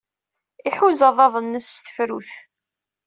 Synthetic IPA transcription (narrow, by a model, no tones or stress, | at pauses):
iħuzɑðˤɑðˤənːəsθə̥fɾuθ